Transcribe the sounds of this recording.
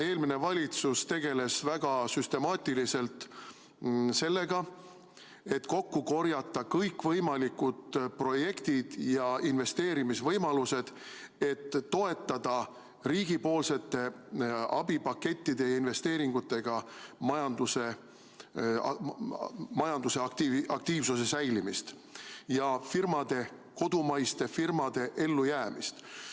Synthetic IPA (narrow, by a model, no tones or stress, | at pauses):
e̞ːlmine̞vɑlʲit̪sust̪e̞ɡ̥e̞le̞svæɡ̥ɑsyst̪e̞mɑːt̪ʲːˑilise̞lt̪ | se̞lːe̞ɡɑ | e̞t̪ːˑko̞kːuko̞rjɑt̪ˑːɑkɤjkːvɤjmɑlikud̪̥pro̞je̞kt̪id̪̥jɑinve̞st̪e̞ːɾimisvɤjmɑluse̞d̪̥ | e̞t̪ːo̞e̞t̪ˑːɑd̪̥ɑ | ɾiːɡ̥ipo̞ːlse̞t̪ːe̞ɑ̰bipɑkːe̞t̪ʲːid̪̥e̞jɑinve̞st̪e̞ːɾiŋɡ̥ut̪ːˑe̞ɡ̥ɑmɑjɑnd̪̥use̞ | mɑjɑnd̪̥use̞ɑk̚t̪iɑk̚t̪iːvsuse̞sæjlimist̪ | jɑfirmɑd̪̥e̞ | ko̞d̪̥umɑjst̪e̞firmɑd̪̥e̞ʔe̞lːujæːmist̪